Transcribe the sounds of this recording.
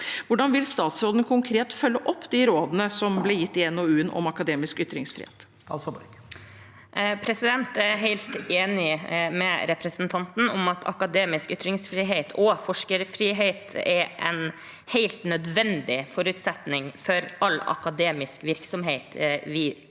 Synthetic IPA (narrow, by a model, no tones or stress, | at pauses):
ʋʊɖɑnʋɪlst̪ɑːt̪sɾoːd̪ənəkʰʊŋkʰɾeːt̪fœlːəʔɔpːd̪iɾoːd̪ənəsɔmblɛjɪt̪ːɪɛnoːʉːənɔ̰mɑkɑd̪eːmɪskʏt̪ɾɪŋsfɾɪ̰ːhḛːt̪st̪ːsɔbk | pʰɾɛsɪd̪ɛnt̪ɛɦeɪlt̪eːnɪmɛɾɛpɾɛsnt̪ʰɑnt̪n̩ɔ̰mɑt̪ʰɑ̰kɑd̪eːmɪskʏt̪ɾɪŋsfɾiːɦeːt̪ʰɔfɔʂkəɾfɾiːɦeːt̪ɛɾʔɛn | heɪlt̪nœd̪ʋɛnd̪ɪfɔɾʉt̪sɛt̪nɪŋfɔɾɑlːɑ̰kɑd̪eːmɪskʋɪɾksɔmɦeɪt̪ʋɪ